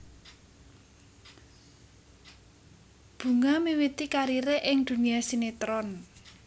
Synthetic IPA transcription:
b̥ṳŋamiwit̪ikaɾiɾeʔɪŋd̪̥ṳnijasinet̪ɾɔn

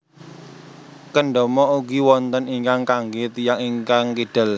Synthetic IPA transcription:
kəɳɖɔmɔʔuɡiwɔnt̪əniŋkaŋkaŋɡet̪ijaŋiŋkaŋkiɖ̥ə̤l

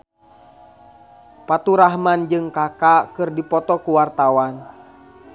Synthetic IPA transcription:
pat̪uɾaɦmand͡ʒɨŋkakakɨrdipɔt̪ɔkuwart̪awan

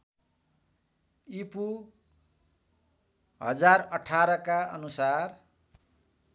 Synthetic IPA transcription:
ipu | ɦʌ̰d͡zarʌʈʰaɾʌkaʌnusar

